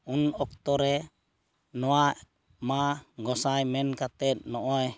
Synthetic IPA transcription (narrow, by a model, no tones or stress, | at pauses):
unɔk̚t̪ɔɾɛ | nɔaʔ | maɡɔsajmɛnkat̪ɛt̪̚nɔʔɔɛ